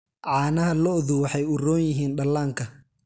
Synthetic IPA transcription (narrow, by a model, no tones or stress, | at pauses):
ʕɑːnɐɦɐlɔðuwɑħɑjʊrɔːnjɪɦiːnɖɐlːaːŋkʰɐ